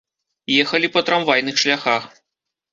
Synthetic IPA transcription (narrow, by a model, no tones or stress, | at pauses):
jɛxɐlʲipɐt̪ɾamvajnɨxʂlʲaxax